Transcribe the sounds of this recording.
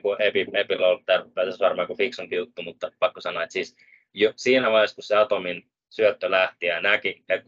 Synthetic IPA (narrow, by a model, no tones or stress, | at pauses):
kuʔepiepiloltt̪ærpːæsesʋɑrmɑːkufiksompiut̪ːumut̪ːɑpɑkːosɑnoːet̪siːs | josiːnæʋɑeskusseɑt̪omin | syøt̪ːølæht̪iænækie